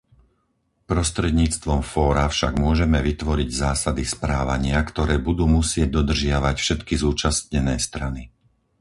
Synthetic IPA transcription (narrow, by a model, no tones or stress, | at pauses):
pɾɔst̪ɾɛd̪ɲiːt͡st̪ʋɔmfɔːɾafʃaɡmʊɔʒɛmɛʋit̪ʋɔɾiɟzaːsad̪ispɾaːʋaɲɪakt̪ɔɾɛːbud̪uːmusɪɛɟ̚d̪ɔd̪r̩ʒɪaʋacfʃɛt̪kizuːt͡ʃast̪ɲɛnɛːst̪ɾani